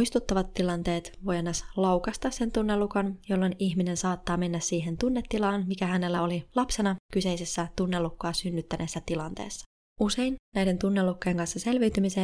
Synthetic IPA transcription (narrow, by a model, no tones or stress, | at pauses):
ist̪ut̪ːɑʋɑt̪ːilɑnt̪e̞ːt̪ʋo̞jɑnːɑslowkɑst̪ɑsse̞nt̪unːe̞lːukɑnjo̞lːo̞niçmine̞nsɑːt̪ːɑːme̞nːæssiːɦent̪unːe̞t̪ːilɑːnmikæhænelːæo̞lilɑpse̞nɑkyse̞jse̞sːæt̪unːe̞lːukːɑːsynːyt̪ːænʔesːæt̪ilɑnt̪ḛːsːɑ̥ | use̞jnnæjde̞nt̪unːe̞lːukːejeŋkɑnsːɑse̞lʋiyt̪ymiseː